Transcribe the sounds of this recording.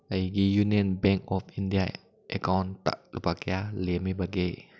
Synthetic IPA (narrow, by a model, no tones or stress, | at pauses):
aikijuniənbɛŋkɔfindia | ʔɛkawnt̪a̰ʔlupakealimibaɡe